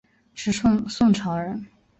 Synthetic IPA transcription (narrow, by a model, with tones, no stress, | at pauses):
ʈ͡ʂʰɻ̩˧˥sʊ˥˧ŋsʊ˥˩ŋʈ͡ʂʰɑ˧˥ʊɻə˧˥n